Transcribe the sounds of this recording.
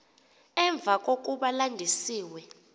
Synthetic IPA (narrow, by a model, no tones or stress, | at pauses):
ɛɱb̪vʱak̬ʼok̬ʼuɓalandʱisiːwɛ